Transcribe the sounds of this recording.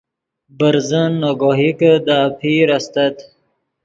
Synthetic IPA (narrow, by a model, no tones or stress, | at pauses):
bəɾzənːoɡoɦikəd̪aːpʰiɾast̪at̪